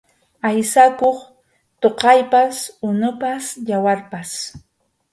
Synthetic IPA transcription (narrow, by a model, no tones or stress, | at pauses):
ajsakoχ | t̪oqɑjpasʊnʊpasjawaɾpas